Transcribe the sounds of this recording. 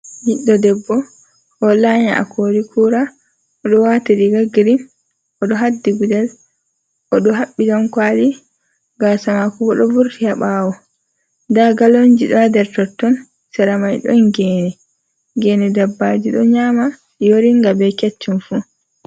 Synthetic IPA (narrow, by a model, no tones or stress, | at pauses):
hiɗːɔdɛbːɔ | ʔɔlaɲaʔa̰kʰoɾikʰuːɾa | ɔɗɔwatidiɡaɡiɾin | ɔɗɔɦadːiɡudɛl | ʔɔɗɔɦaɓːiɡamkwali | ɡasamakubɔɗɔvuɾtihaɓaːwɔ | ndaɡalond͡ʒiɗɔadɛɾtɔtːɔn | sɛɾamajɗɔ̰nɡɛːnɛ | ɡɛnɛdabːad͡ʒiɗɔ̰ɲaːma | ijoɾiŋɡabɛkɛt͡ʃːunfu